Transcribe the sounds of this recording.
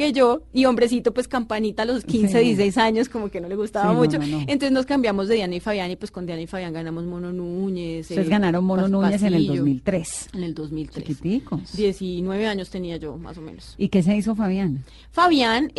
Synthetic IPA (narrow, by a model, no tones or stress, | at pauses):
ed͡ʒoio̞mbɾe̞s̬it̪o̞pwe̞skampanit̪aloskins̬eðijesis̬ejsaɲo̞sko̞moke̞no̞le̞ɣust̪aβamut͡ʃoenonseznoskambjamo̞zd̪eðjaneifaβjanipwe̞sko̞nd̪janifaβjaŋɡanamo̞zmo̞nonuɲesezɡanaɾonmononuɲes̬enelozmilt̪ɾesene̞ld̪ozmilt̪ɾekit̪ikosd̪je̞sinwe̞βe̞aɲo̞st̪e̞niad͡ʒo̞ma̰so̞mḛnosike̞s̬eis̬ofaβjan | faβjan